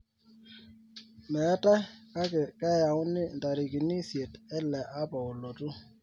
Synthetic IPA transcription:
mɛ˨˦ta˦ka˦kɛ˨ka˦ja˨wʊ˦nɪ˦nda˨ɾi˨ki˨ni˦sje˨tɛ˦lɛ˨ʔa˦pa˨o˨lo˨tu˦

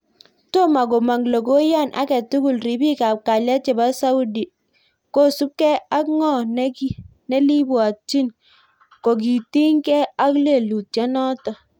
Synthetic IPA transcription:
to˦ma˨ɡo˨ma˨ŋlo˨ɡo˦ja˦˨nʔa̰˨kɛ˨tu˦ɡu˨lɾi˨bi˦ka˨p̚ka˨la˦t͡ʃɛ˨ba˦sa˦u˦di˨ | ko˦su˦p̚kɛ˦a˦kŋɔ˦˨n˦i˦nɛ˦li˦bwa˨t͡ʃi˦n | ko˨k̬i˨ti˦ŋkɛ˦a˦kle˨lu˨tja˦nɔ˦tɔ˨

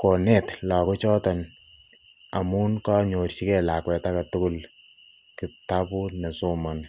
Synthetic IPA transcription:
ko˨nɛ˦tla˨kɔ˦t͡ʃɔ˦ta˨n | a̰˨mu˦nkɔ˦ɲo˨rt͡ʃi˦kɛ˦la˨kwɛ˨ta˦katu˦ku˦l | ki˨ta˦pu˦ne˨so˦mɔ˨n

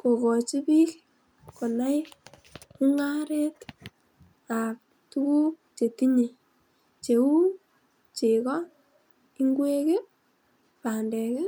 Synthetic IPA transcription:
ko˨kɔ˨t͡ʃi˦pi˦k | ko˨na˦j | ku˦ŋa˦ɾɛ˦t | a˨k̚ | tu˦ku˦k̚t͡ʃe˨ti˦ɲe˨ | t͡ʃe˨u˦ | t͡ʃe˨kɔ˦ | i˦ŋɡwe˦ke˦ | pa˨ndɛ˨ke˦

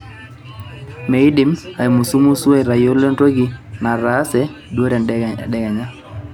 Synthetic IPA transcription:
me˨i˦ɗi˨ma˨i˨mu˨su˦mu˦su˦ɛ˦˨ɾa˨jo˦le˦nto˦ɡi˦na˨ɾa˨˦sɛ˨ɗwo˦ɾɛ˨ɗɛ˨ɡa˨ɲa˦

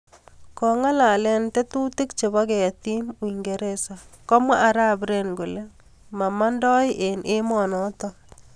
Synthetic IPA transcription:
kɔ˨ŋa˦la˨lɛ˦nte˦tu˦ti˦kt͡ʃe˨βa˦ke˨a˨ti˦mwi˨ŋɡe˨ɾe˦sa˨kɔ˦mwa̰˦ʔa˨ɾa˦bɾe˨nɡo˨le˦ | ma˨ma˦ndɔ˦jʔe˨nʔɪ˦mɔ˨nɔ˨˦tɔ˦

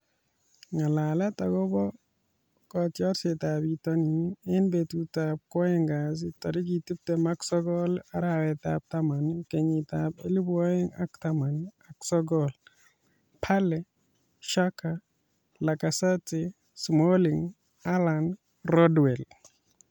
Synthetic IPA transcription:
ŋa˨la˨lɛ˦ta˨ɡɔ˦bɔ˦ | kɔ˨tjɔ˦ɾsɪ˨ta˨bi˨tɔ˦niɛ˦nbe˨tu˨tap̚kɔ˦ɛ˦ŋɡa˨s̬ɪ˦tɔ˨ɾɪ˦k̬i˨ti˦p̚tɛ˨ma˦ksɔ˦ɡɔ˦la˦ɾawɛ˨tap̚ta˦ma˨nke˨ɲɪ˨tapḛ˦li˦bɔ˦jɪ˦ŋa̰˦ktama˨na˨ksɔɡɔl | pʰa˦lɛ˦ | ʃa˦ka | la˨ka˨sa˦tɪ | smo˦liŋ | alan | ɾɔ˦dwɛ˨l

